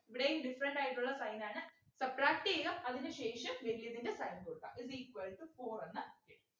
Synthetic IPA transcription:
iʋiɽejumɖifɐɾɐɳɖaːjiʈːuɭːɐsɐjnaːɳɨ | sɐbraːk̚ʈiɣɐmɐðinɨɕeːʂɐmʋeɾiljɐðindesɐjnkoɽukːa̰mʔisiːkwɐlʈufo̞ːrenːɨeɽ

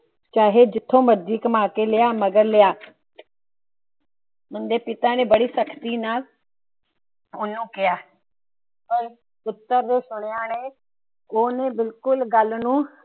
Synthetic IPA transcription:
t͡ʃaːɦeːd͡ʒɪt̪ʰːõːməd̪iːkmãːkeːlɪjaːməɡəɾlɪjaː | mʊnd̪eːpɪt̪aːnẽːbəɽiːsəkʰt̪iːnaːl | ʊnːũːkɪjaː | pəɾ | pʊt̪ːəɾd̪eːsʊɽ̃jaːneː | oːnẽːbɪlkʊlɡəlnũː

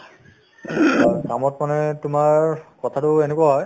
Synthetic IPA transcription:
kamɔtmanɛtʊmaɹkɔtʰatʊenekuwaɦɔj

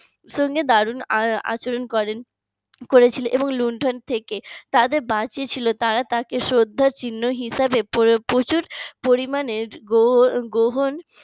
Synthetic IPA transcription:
ʃoŋɡed̪aɾunaa̰t͡ɕoɾonkɔɾen | koɾet͡ɕʰilenʔeboŋluɳʈʰont̪ʰeket̪ad̪eɾbat͡ɕiet͡ɕʰilot̪aɾat̪akeʃɾod̪ʱːaɾt͡ɕinːoɦiʃabeppot͡ɕuɾpoɾimaneɾɡoɡoɦon

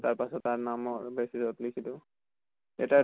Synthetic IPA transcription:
taɹpasɔtːaɹnamɔɹbɛsizɔtlikʰitʊ | ɛta

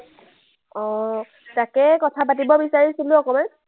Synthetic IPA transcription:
ɔ̃ | takɛkɔtʰapatibɔbisaɹisilʊɔkɔman

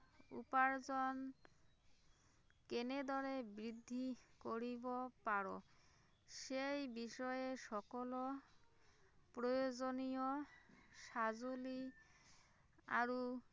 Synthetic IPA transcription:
ṵpaɾd͡ʒɔn | kened̪ɔɾebɾid̪ʱːikoɾibopaɾo̰ | ʃejbiʃɔjeʃɔkɔlo | pɾojozonijo | ʃazoli | a̰ɾu

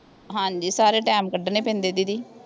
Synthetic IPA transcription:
ɦãːɲd͡ʒiːsaːɾeːʈɛːmkəɖnẽːpɛ̃ːnd̪eːd̪iːd̪iː

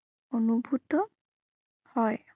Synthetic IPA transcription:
onubʱutɔ | hɔj

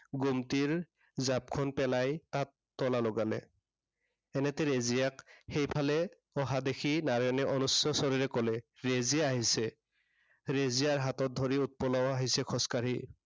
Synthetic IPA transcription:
ɡumtiɹ | zap̚kʰɔnpɛlajtatːɔlalɔɡalɛ̰ | ɛnɛtɛɹezijakxejpʰalɛ | ɔɦadexinaɹɔjnɛʔɔnusɔsɔɹiɹɛkɔlɛɹeziaaɦisɛ | ɹezijaɹɦatɔt̚d̪ʱoɹiut̚pɔlɔwaɦisɛkʰɔskaɹi

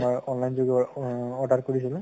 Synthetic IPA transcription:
majɔnlajnzoɡɛɔʈat̚koɹisil̃

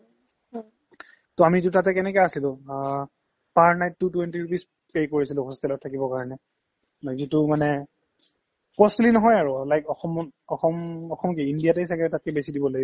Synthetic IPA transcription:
tɔamitutatɛkɛnɛkɛjasilʊ̃ | paɹnajtːutwentiɹupis | pejkoɹisilʊ̃hɔstɛlɔt̚tʰːakibɔkaɹɔnɛ | zitʊmanɛ | pɔsilinɔɦɔjaɹʊlajkɔxɔmɔxɔmɔxɔmkiindijatejs̬akɛɛtat̚kɛbesidibɔlaɡ

